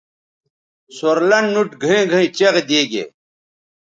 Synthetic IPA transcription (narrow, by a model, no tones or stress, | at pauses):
soɾlɐnnuʈɡʱɐ̃ɡʱɐ̃ĩt͡ɕeʁed̪eːɡḛ